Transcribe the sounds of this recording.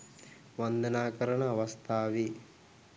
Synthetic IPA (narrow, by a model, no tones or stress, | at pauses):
ʋɐnd̪ɐnaːkɐɾɐɳɐːʋɐst̪ʰaːʋi